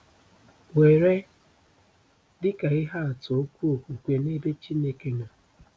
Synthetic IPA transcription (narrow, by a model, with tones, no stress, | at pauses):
we˨ɾe˦ | dɪ˦ka˨ɪ˦ɦa˦a˨tʊ˨o˦kʷu˦o˨ku˨kʷe˨ne˦be˦t͡ʃi˦ne˦ke˦ŋa˨